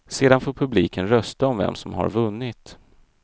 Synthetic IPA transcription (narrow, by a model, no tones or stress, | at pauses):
seːd̪anfoːɾpʰɵbliːkənɾœst̪aɔmvɛ̰msɔmɦa̰ɾvɵnːɪt̪